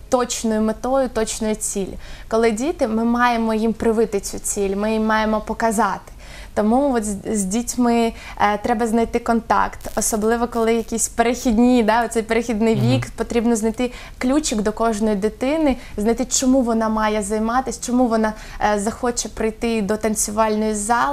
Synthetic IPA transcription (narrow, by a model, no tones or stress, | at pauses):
t̪ɔt͡ʃnɔjʊmet̪ɔjʊt̪ɔt͡ʃnɔjʊt͡sʲilʲʊkɔlˠɪdʲit̪ɪmɪmɑjemɔjimpɾɪʋɪt̪ɪt͡sʲut͡sʲilʲmɪjimːɑjemɔpɔkɐzɑt̪ɪ̥ | t̪ɔmuɔzʲdʲitʲmɪ | t̪ɾɛbɐznɐjt̪ɪkɔnt̪ɑ̰kt̪ɔsɔblˠɪʋɔkɔlˠɪjɐkʲisʲpeɾexʲid̪ʲnʲid̪ɑɔt̪sɛjpeɾɪxʲid̪nɪjʋʲikpɔt̪ɾʲibnɔznɐjt̪ɪ | klʲut͡ʃɪɡd̪ɔkɔʒnɔjid̪ɪt̪ɪnɪznɐjt̪ɪt͡ʃɔmuʋɔnɑmɑjɛzɐjmɑt̪ɪsʲt͡ʃɔmuʋɔnɑ | zɐxɔt͡ʃɛpɾɪjt̪ɪd̪ɔt̪ɐnt͡sʲʊʋɑlʲnɔjizɑlˠɪ